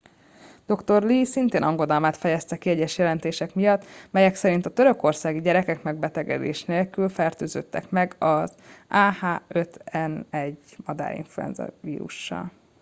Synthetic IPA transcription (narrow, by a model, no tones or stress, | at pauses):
d̪̥o̞kt̪o̞rliːsint̪eːnʔɒŋɡo̞d̪ɒlmaːt̪fɛjɛst̪ɛkiɛɟːɛʃjɛlɛnt̪eːʃɛkmijɒt̪ːmɛjɛksɛɾint̪ɒt̪ø̞ɾø̞ko̞rsaːɡiɟɛɾɛkɛkmɛɡ̚bɛt̪ɛɡɛ̰d̪ḛːʃneːlkylfɛrt̪øːzø̰t̪ːɛ̰kmɛɡɒzaːhaːø̞t̪ɛnɛɟːmɒd̪a̰ːɾḭɱfluɛ̰nzɒ̰vḭːɾṵʃːɒ̰l